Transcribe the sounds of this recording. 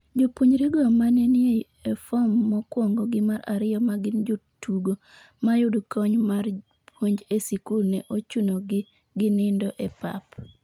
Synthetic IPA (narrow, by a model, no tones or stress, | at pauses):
d͡ʒopwoɲɾiɡɔamanenɪe | efɔmːɔkwɔŋɡɔɡɪmaɾa̰ɾɪjɔmaɡɪnd͡ʒotuɡo | majʊdkɔɲmar | pwoɲd͡ʒesikulnɛʔot͡ʃunoɡɪ | ɡɪnɪndɔʔɛpa̰p